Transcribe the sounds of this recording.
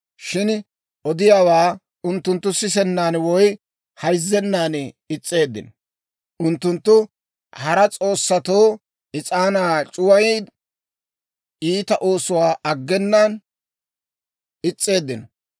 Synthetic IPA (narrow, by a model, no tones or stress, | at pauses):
ʃɪn | ʔɔd̪ɪjaːwaː | ʊnt̪ːʊnt̪ːʊsɪsɛnːaːnwɔj | hɐjzːɛnːaːnɪt͡sʼːe̞ːd̪ːɪ̰nɔ | ʊnt̪ːʊnt̪ːʊ | hɐɾɐt͡sʼo̞ːsːɐt̪o̞ː | ʔɪt͡sʼaːnaːt͡ʃʼʊwɐj | iːt̪ɐʔo̞ːsʊwaːʔɐɡːɛnːan | ɪt͡sʼːe̞ːd̪ːɪnɔ